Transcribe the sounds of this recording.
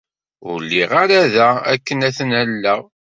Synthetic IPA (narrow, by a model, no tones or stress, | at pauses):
ʊ̰ɾlːiʁaɾæðææ̰kːənæθənælːəʁ